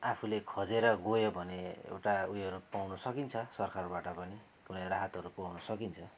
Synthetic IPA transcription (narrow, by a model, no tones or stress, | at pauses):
apʰulekʰʌd͡zeɾʌɡojobʱʌneḛwʈaujʌɾupawnusʌkint͡sʰʌsʌrkarbaʈʌpʌni | kunʌjraɦʌt̪ɦʌɾupawnʌsʌkint͡sʰʌ